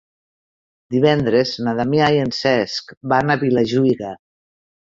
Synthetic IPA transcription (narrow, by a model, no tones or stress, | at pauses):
d̪iβɛnd̪ɾeznaðamiajensɛskbanaβilaʒuiɣa